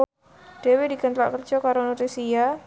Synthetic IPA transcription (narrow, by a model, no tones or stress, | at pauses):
ɖ̥e̤wedikənt̪la̰ʔkər̥ʒ̥ɔ̤kaɾonot̪isija